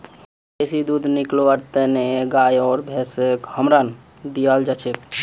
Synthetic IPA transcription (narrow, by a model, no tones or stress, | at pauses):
esid̪ud̪ʱnikloəɾt̪eneɡajɔːɾbʱesekhəmɾan | d̪ijəld͡ʒat͡ʃʰek